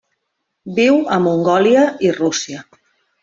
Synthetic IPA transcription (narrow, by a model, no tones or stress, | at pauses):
biwəmuŋɡɔliəirusiə